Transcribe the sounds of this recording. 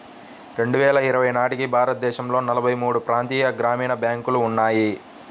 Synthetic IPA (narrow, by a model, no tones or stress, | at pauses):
ɾe̞ɳɖuʋɛːlɐiɾɐʋɐjnaːʈikibʱaːɾɐt̪̚d̪ɛːʃɐmlo̞ːnɐlɐbʱɐjmuːɽupɾaːnt̪iːjɐɡɾaːmiːɳɐbjaːŋkuluːnːaːji